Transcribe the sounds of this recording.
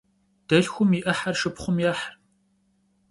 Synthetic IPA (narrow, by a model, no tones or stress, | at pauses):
d̥ɐɬxʷʊmiʔɐħarʃɨpχʷʊmjɛħr